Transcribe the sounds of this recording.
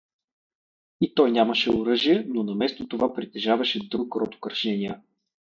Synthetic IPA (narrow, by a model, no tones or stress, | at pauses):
it̪ɔjnʲamɐʃɛʊɾɤʒiɛnonɐmɛst̪ot̪ovapɾit̪ɛʒavɐʃɛd̪ɾukɾɔt̪ʊ̥kɐɾʃɛniə